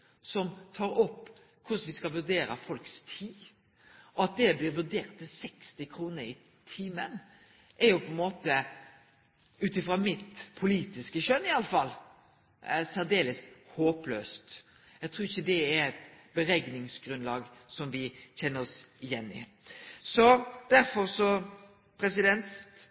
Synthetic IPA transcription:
sɔmt̪ʰɑːɾɔpː | kʰʊʂʋɪskɑʋʉd̪eːɾə̰fɔlkst̪ʰiː | ʔɔɑt̪̚d̪ɛblɪɾʋʉd̪eːɾt̪ʰːɪlsɛkst̪ɪkʰɾuːnəɾɪ | t̪ʰiːmən | ʔɛɾjʊpʰɔɛnmoːt̪ə | ʉːt̪ɪfɾɑmɪt̪pʰʊliːt̪ɪskəɕœnɪɑləfɑlː | sæɾd̪eːləshoːpløːst̪ | jɛɪt̪ʰɾuːɾɪçːəd̪ɛæɾɛt̪bəɾɛɡnɪŋsɡɾʉnlɑːɡsɔmʋɪçɛnːəɾɔsɪjɛnːɪ̰ | sɔd̪̥æɾfɔɾsɔ | pʰɾɛsɪd̪ɛnt̪

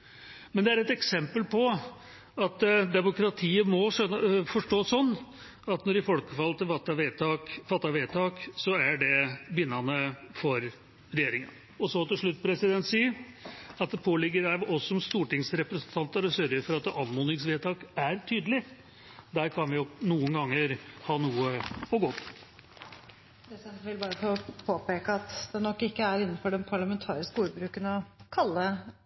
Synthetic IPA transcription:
mɛnd̪ɛæɾɛt̪ɛksɛmpəlpʰɔ | ɑt̪d̪ɛmʊkɾɑt̪ʰiːəmɔʂœfɔʂʈoːsɔnː | ɑt̪nɔɾɪfɔlkəfɑlt̪ɛfɑt̪ːɑʋeːt̪ɑkfɑt̪ːɑʋeːt̪ʰɑːksɔæɖɛbɪnːɑnəfɔɾ | ɾɛjeːɾɪŋə̰n | ɔsɔt̪ɪlʂɭʉt̪ːpʰɾɛsɪd̪ɛnt̪siːəɾɑt̪̚d̪ɛpʰoːlɪɡːəɾæʋʔɔsɔmst̪uːʈɪŋsɾɛpɾɛəsnt̪ʰɑnt̪əɾɔsœɾɡəɾfɔɾɑt̪̚d̪ɛʔɑnmʊnɪŋsʋeːt̪ʰɑːkæɾt̪ʰyːd̪əlɪ | d̪æɾkʰɑnʋɪjʊnuːənɡɑŋːəɾhɑːnuːəɔɡoːp | pʰɾɛsd̪ɛnʋɪlbɑːɾəfopʰoːpeːkəɑt̪d̪̥ɛnɔkːɪkːəæɾɪnːn̩fɔɖɛnpʰɑɭɑmɛnt̪ʰɑ̰ːɾɪskəuːɾbɾʉːkənɔkʰɑlːə

